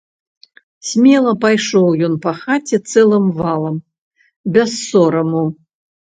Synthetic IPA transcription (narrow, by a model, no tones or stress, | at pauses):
sʲmʲɛlˠɐpajʂɔwjɔnpɐxat͡sʲɛt̪sɛlˠɨmvalˠɐm | bʲɛsːɔɾɐmu